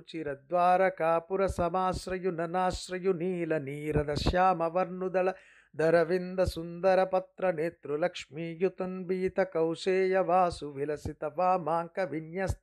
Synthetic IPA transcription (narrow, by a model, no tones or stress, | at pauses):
t͡ʃiɾɐd̪ʋaːɾɐkaːpuɾɐsɐmaːsɾɐjunɐnaːsɾɐjuniːlɐniːɾɐd̪ɐʃjaːmɐʋɐɾnud̪ɐlɐ | d̪ɐɾɐʋind̪ɐsund̪ɐɾɐpɐt̪ɾɐneːt̪ɾulɐkʂmiːjut̪ɐnbiːt̪ɐkɐwseːjɐʋaːsuʋilɐsit̪ɐʋaːmaːŋkɐʋinjɐs